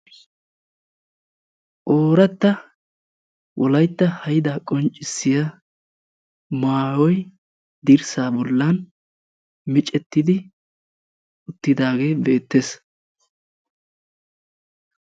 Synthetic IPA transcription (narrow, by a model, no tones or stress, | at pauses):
ʔoːɾɐt̪ːɐ | wʔɔlɐjt̪ːɐhɐjɪd̪aːkʼɔnt͡ʃʼːɪsːɪjɐ | maːwɔj | d̪ɪɾsaːbɔlːɐn | mɪt͡ʃʼɛt̪ːɪd̪ɪ | ʔʊt̪ːɪd̪aːɡe̞ːbe̞ːt̪ːes